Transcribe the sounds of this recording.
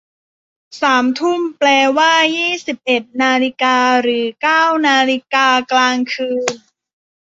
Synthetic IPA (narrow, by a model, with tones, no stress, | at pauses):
saː˩˦mt̪ʰu˥˩mplɛː˧waː˥˩jiː˥˩si˨˩p̚ʔe˨˩t̪̚naː˧li˧˥kaː˧ɾɯː˩˦kaː˥˩wnaː˧li˧kaː˧klaː˧ŋkʰɯː˧n